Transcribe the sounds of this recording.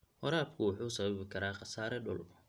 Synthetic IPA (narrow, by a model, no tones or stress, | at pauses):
wɔɾaːbkʰʊwʊħuːsɐβɐβɪkʰɐɾaːχɑsaːɾɛɖʊ̰l